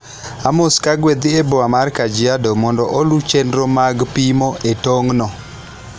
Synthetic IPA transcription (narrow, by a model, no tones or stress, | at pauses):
amoskaɡwed̪ɪeboamarkad͡ʒɪadomɔndɔʔolut͡ʃendɾomaɡpimoʔetoŋnɔ